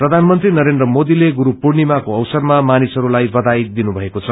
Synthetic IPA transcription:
prʌd̪ʱanmʌnt̪rinʌɾend̪rʌmod̪ileɡuɾupurnimakoʌwsʌrmamanisʌɾulajbʌd̪ajd̪inubʱʌekot͡sʰʌ

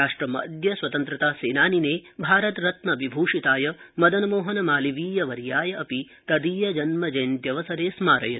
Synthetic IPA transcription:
aːʂʈɾɐmɐ̰d̪jɐsʋwɐt̪ɐnt̪ɾɐt̪aːseːnaːnineːbʱaːɾɐt̪ɾɐt̪nɐbibʱuːʂit̪aːjɐmɐd̪ɐnɐmoːɦɐnɐmaːliʋiːjɐʋɐɾjaːjɐʔɐpi | t̪ɐd̪iːjɐd͡ʒɐnmɐd͡ʒɐjnt̪jɐʋɐsɐɾeːsmaːɾɐ̰jɐ

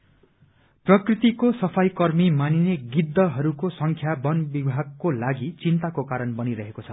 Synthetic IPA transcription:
prʌkrit̪ikosʌpʰajkʌrmimanineɡid̪ːʌɦʌɾukosʌŋkʰjabʌnbibʱaɡ̚kolaɡit͡sint̪akokaɾʌnbʌniɾʌɦekot͡sʰʌ

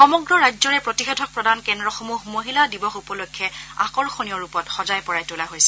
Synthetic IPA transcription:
xɔmɔɡɹɔɹajd͡ʒzɔɹɛpɹotixetʰɔk̚pɹɔdankɛndɹɔxɔmuɦmoɦiladibɔxupɔlokʰːɛã̰kɔɹxonijɔɹupɔtxɔzajpɔɹajtolaɦojsɛ

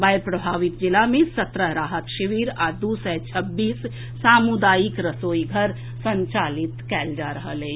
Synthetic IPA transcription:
bajɾpɾəbʱaːʋit̪̚d͡ʒɪlamẽsət̪ɾəɦɾaːɦət̪ʃiʋiːɾad̪usɛt͡ʃʰəbːiːsː | aːmud̪aːjikɾəsoːiɡʱəɾ | sə̃ɲt͡ʃaːlit̪kɛːld͡ʒaɾəɦəlɛ

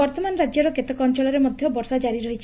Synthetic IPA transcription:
ɔɾt̪ɔmanɔɾad͡ʒjɔɾɔket̪ɔkɔnt͡ʃɔlɔɾemɔd̪ʱjɔbɔɾsad͡ʒaɾiɾɔɦit͡ʃʰ

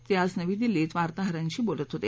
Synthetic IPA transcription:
t̪jasnəʋiːd̪ilːiːt̪ʋaɾt̪aɦəɾaɲt͡ɕiːbolət̪ɦot̪e

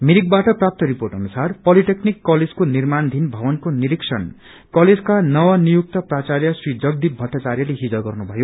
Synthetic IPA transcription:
miɾik̚baʈʌprap̚t̪ʌɾiporʈɦʌnusarpʌliʈeknikːʌled͡zkonirmand̪ʱinbʱʌbʌnkoniɾiksʰʌn | kʌled͡zkanʌwʌnijuk̚t̪ʌprat͡sarjʌsrid͡zʌɡ̚d̪ibʱʌʈːat͡sarjʌleɦid͡zʌɡʌrnubʱʌjo

